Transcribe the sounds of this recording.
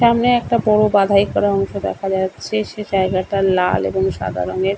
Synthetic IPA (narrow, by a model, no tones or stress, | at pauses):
ʃamneɛk̚ʈabɔɽobad̪ʱaikːɔɾaɔŋʃod̪ɛ̰kʰad͡ʑatːɕʰeʃed͡ʑaeɡaʈala̰lḛboŋʃa̰d̪ʱa̰ɾoneɾ